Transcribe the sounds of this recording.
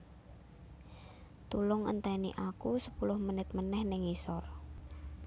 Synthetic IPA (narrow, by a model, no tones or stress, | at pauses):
t̪ulʊŋə̰nt̪ɛniʔakusəpulʊhmənɪt̪̚mənɛhnɪŋisɔr